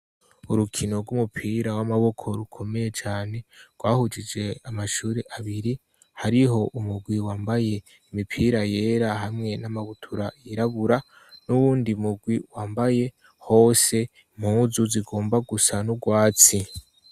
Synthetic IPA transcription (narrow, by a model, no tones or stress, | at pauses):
uɾukʰino̞ɾɡumupʰiːɾawamaβo̞kʰo̞ɾukʰo̞me̞je̞t͡ʃaːne̞ɡ̥waːhud͡ʒid͡ʒe̞amaʃuːɾeʔaβiɾi | haɾiɦo̞ʔumuɡwiwaːmbaje̞ | imipʰiːɾaje̞ːɾaɦamŋe̞namaβutʰuɾaiɾaβuɾa | nuβuːndiumuɡwiwaːmbaje̞ | ho̞ːse̞ | m̥huːzuziɡo̞ːmbaɡusanuɡwaːt͡si